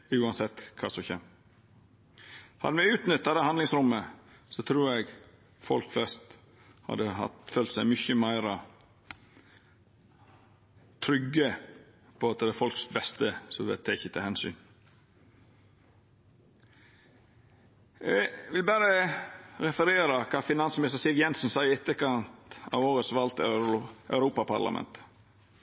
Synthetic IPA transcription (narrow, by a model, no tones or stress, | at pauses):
ʉːɑnsɛt̪ːkʰɑ̰ːsɔçɛ̰m | hɑ̰d̪əmɛʉːt̪nʏt̪̚d̪ɛd̪æhɑnd̪lɪŋsɾʊmːə | sɔt̪ʰɾuːɾɛɡ | fɔlkflɛst̪ | hɑ̰d̪əhɑ̰t̪føːlt̪sæɪmʏçəmæɪɾə | t̪ʰɾʏɡə | pʰɔɑt̪̚ɛd̪ɛfɔlksbɛst̪əsɔʋɛ̰t̪ʰːɛɪçːət̪ʰɪlhɛnsy̰n | ʋɪlbæːɾəɾɛfəɾeːɾɑkʰɑːfɪnɑnsmɪnɪst̪əɾsɪʋjɛnsn̩sɑɪɪɛt̪ːəkɑnt̪ɑ̰ʋoːɾət̪sʋɑlt̪œʉɾuːpɑpʰɑ̰ɾlɑ̰mɛ̰nt̪